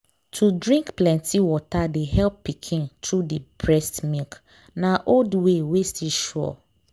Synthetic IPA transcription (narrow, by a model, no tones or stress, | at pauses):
tʰudɹĩŋkplɛ̃ntʰiwɔtadeɦɛlpːikʰĩntʰɹudipɹɛstmilk | nãʔoldwewestiʃɔ̰